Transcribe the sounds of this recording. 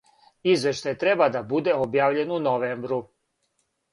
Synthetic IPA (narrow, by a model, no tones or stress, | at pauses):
izʋe̞ʃt̪ajt̪ɾe̞bad̪abud̪e̞objaːʋʎe̞nunoʋeːmbɾu